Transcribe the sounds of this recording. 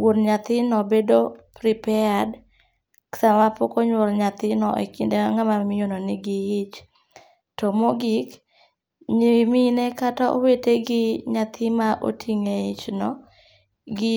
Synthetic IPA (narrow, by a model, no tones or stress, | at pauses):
wodɲat̪ɪnɔbedopɾipɛad | ksamapokoɲwoɾɲat̪ɪnɔʔḛkindeaŋamamɪjononɪɡɪhɪt͡ʃ | tɔmoɡɪk | ɲiwiminekatɔo̰weteɡɪɲat̪ʰɪmaʔo̰tʰiŋeɪt͡ʃnɔ | ɡɪ